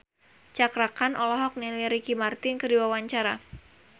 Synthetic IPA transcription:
t͡ʃakɾakanʔɔlɔɦɔk̚niliɾikimart̪ɪnkərdiwawaɲt͡ʃaɾa

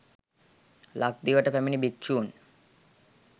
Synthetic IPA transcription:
lak̚d̪ioɛʈapɛminibik̚t͡ɕuːn

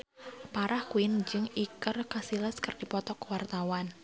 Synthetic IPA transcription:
paɾʔahkuɪnd͡ʒɨŋikərkasiləskərd̥ipɔt̪ɔkwart̪awan

